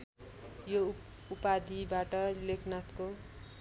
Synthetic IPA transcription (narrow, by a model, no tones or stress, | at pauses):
jo | upad̪ibaʈʌlekʰnat̪ko